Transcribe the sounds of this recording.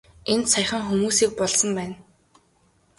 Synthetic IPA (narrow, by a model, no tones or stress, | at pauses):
ent̪sajχə̆ŋxumuːsiːk̚pɔɮsɞ̆mpæːn